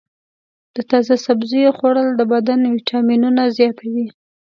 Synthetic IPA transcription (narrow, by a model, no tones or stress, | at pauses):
d̪̥ət̪ɑzasabzijoxoɽəld̪əbad̪anwiʈʰɑminunazjɑt̪awi